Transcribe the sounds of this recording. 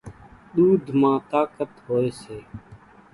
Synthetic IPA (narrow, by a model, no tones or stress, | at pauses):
ɗ̪uːd̪ʱmãːt̪aːkət̪ɦoːeːseː